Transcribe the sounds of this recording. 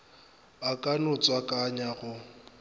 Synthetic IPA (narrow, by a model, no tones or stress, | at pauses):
bakʼanʊt͡sʼwakʼaɲaɣʊ